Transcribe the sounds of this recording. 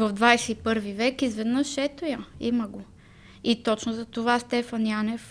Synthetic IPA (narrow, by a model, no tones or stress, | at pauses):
vɐvd̪vajsɛipɤɾvivɛkizvɛd̪nəʃːɛt̪ojəimɐɡo | it̪ɔt͡ʃnʊzɐt̪ovast̪ɛfɐnjanɛf